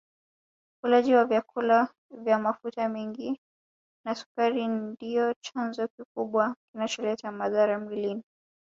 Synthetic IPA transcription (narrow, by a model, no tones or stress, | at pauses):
kulaʄiwavjakʰula | vjamafutamiŋɡi | nasu̥kaɾindijɔt͡ʃanzɔkikuɓwakinat͡ʃɔlɛtamaðaɾamwilini